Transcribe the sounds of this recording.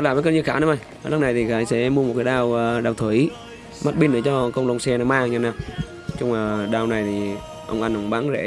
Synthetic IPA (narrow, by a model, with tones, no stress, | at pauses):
laː˨˩və˨˦kə˧nɲɨ˧xaː˧˩na˨˦ʔa˧˩j | a˨lə˦˥k͡p̚na˨˩jt̪ʰi˨˩ɣaː˨˦jsɛ̰˧˥mu˧mo˨˩t̚kaː˨˦ɗaː˧wɗaː˧˩wt̪ʰwi˧˩˦j | ma˦˥t̚ɓi˧nɗɨː˨˩˦t͡ɕɔ˧kə˧wŋ͡mlo˧wŋ͡msɛ˧na˨˦maː˧ɲa˧˩naː˧˩ | t͡ɕʊ˧ŋ͡maː˨˩ɗaː˧wna˨˩jt̪ʰi˨˩ | ʔə̰˧wŋ͡mʔa˧jnʔə˧˦ŋ͡mɓaː˨˦ŋzḛ˧˥